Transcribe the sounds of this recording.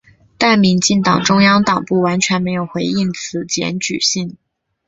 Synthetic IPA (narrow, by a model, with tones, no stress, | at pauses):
t̪a˥˩nmi˧˥nt͡ɕi˥˩ŋt̪ɑ˨˩ŋʈ͡ʂʊ˥ŋjɑ˥ŋt̪ɑ˨˩ŋpu˥˩wa˧˥nt͡ɕʰɥɛ˧˥nme˧˥ɪjo˨˩ʊxwe˧˥ɪi˥˩ŋt͡sʰɹ̩˧˥t͡ɕjɛ̰˧˥nt͡ɕy̰˨˩ɕi˥˩ŋ